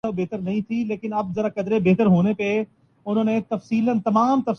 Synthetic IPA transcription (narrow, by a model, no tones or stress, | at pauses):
ɐbeːt̪əɾnɐɦĩt̪ʰileːkɪnɐb̚zɐɾakɐd̪ɾebeːt̪əɾɦoːnepe | ʊn̤õːnẽt̪ɐfsiːlənt̪ɐmaːmt̪ɐf